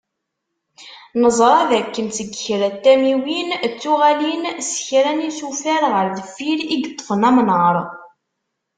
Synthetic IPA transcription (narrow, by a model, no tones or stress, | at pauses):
nəzˤɾˤɑðækːənθəɡçɾæt̪ːæmiwint͡sːuʁælinsçɾænisufæɾʁəɾðəfːiɾiɡət̪ˤːə̥fənæmnəɾˤ